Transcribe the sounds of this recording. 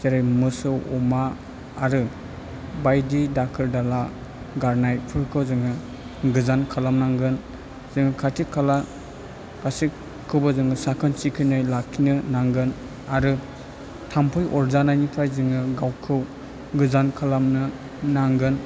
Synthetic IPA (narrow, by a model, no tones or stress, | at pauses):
zeɾajmɯsɯwɔmaː | ɾɯ | bajdidakʰɯɾdala | ɡaɾnajpʰɯɾkʰɯwzɯŋɯ | ɡɯzankʰalamnaŋɡɯn | z̥ɯŋɯkʰatʰikʰːala | kasi | kʰːɯwbɐzɯŋɯsakʰɯnt͡ʃikʰɯjnajlakʰːinɯnaŋɡɯn | aɾɯ | tʰampʰɯjʔɔɾzanajnipʰajzɯŋɯɡawkʰɯw | ɡɯzankʰalamnɯ | naŋɡɯn